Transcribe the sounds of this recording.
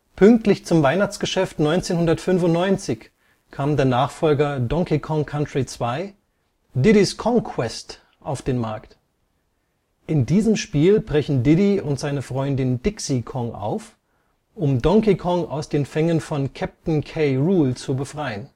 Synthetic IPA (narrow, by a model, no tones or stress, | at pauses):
pʰʏŋk̚tlɪçt͡sʊmvaɪnaχt͡sɡ̥əʃɛftnɔʏnt͡seːnhʊndɐtfʏnfʊntnɔʏnt͡sɪç | kʰaːmdeːɐnaːχfɔlɡɐdɔŋkikʰɔŋkʰantʁ̥it͡sv̥aɪ | dɪdiskʰɔŋkʰwɛst | ʔaʊfd̥eːnmaɐkt | ʔɪndiːzəmʃpiːlbʁɛçn̩dɪdiʊntz̥aɪnəfʁ̥ɔʏndɪndɪksikʰɔŋʔa̰ʊf | ʔʊmdɔŋkikʰɔŋa̰ʊsd̥eːnfɛŋənfɔnkʰɛp̚tn̩kʰeɪʁuːlt͡subəfʁ̥aɪən